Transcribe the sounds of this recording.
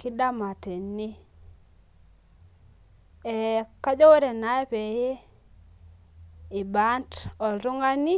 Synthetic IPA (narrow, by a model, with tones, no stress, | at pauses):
ki˦da˦ma˨te˨ni˦ | ɛ˨ka˦d͡ʒɔ˦we˦ɾe˨na˨˦ɛ˦pe˨je˦˨ | ba˦ntɔ˨ɾu˦ŋa˦ni˦